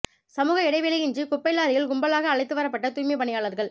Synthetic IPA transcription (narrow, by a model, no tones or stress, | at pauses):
sɐmuːɣɐɪɽɐɪʋɪlɐjɪɲd͡ʒikʊpːɐɪlaːɾɪjɪlɡʊmbɐlaːɣɐːɭɐɪt̪ːɯʋɐɾɐpːɐʈːɐt̪uːjmɐɪpɐɳɪjaːɭɐɾɣɐɭ